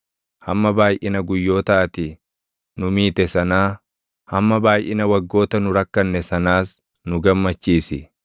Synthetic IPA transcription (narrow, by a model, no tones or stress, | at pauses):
hɐmːɐbaːjʔɪnɐɡʊjːo̞ːt̪aːt̪ɪ | nʊmiːt̪ɛsɐnaː | hɐmːɐbaːjʔɪnɐwɐɡːo̞ːt̪ɐnʊɾɐkːɐnːɛsɐnaːs | nʊɡɐmːɐt͡ʃːiːsɪ